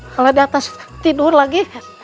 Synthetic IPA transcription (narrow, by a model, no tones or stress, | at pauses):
kaladiat̪ast̪idurlaɡi